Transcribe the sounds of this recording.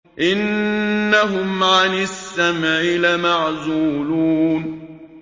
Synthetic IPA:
ʔɪnːaɦʊmʕanɪsːamʕɪlamaʕzuːluːn

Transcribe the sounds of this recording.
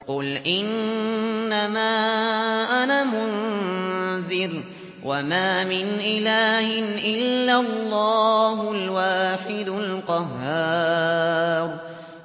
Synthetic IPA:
qʊlʔɪnː | amaːʔanaːmʊn | ðɪɾ | wʔamaːmɪnʔɪlaːhɪnʔɪlːalːɑːhʊlwaːħɪd̪ʊlqɑɦːaː | ɾ

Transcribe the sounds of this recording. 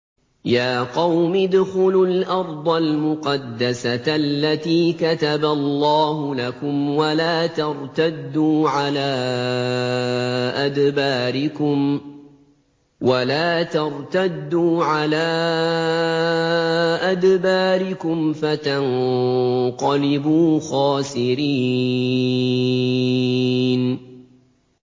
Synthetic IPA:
jaːqɑwmɪd̪xʊlʊlʔɑɾˤd̪ˤɑlmʊqɑd̪ːasalːat̪iːkat̪abalˤːɑːɦʊlakʊmwalaːt̪ɑɾˤt̪ad̪ːuːʕalaː | ʔad̪baːɾɪkʊm | walaːt̪ɑɾˤt̪ad̪ːuːʕalaː | ʔad̪baːɾɪkʊmfat̪an | qɑlɪbuːxaːsɪɾiː | n

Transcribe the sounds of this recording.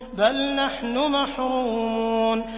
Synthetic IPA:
balnaħnʊmaħɾuːmmːn

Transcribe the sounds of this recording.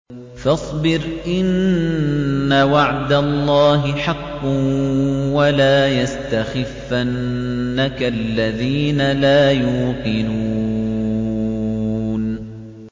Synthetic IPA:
fɑsˤbɪɾʔɪnː | awaʕd̪alˤːɑːɦɪħɑqːʊ | walaːjast̪axɪfːanːakaʔlːaðiːnalaːjuːqɨnuː | n

